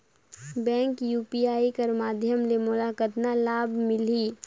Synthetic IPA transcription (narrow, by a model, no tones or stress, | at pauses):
bɛ̃ːŋkjuːpiaːikəɾmaːd̪ʱjəmlemʊlaːkət̪nalaːbmɪliː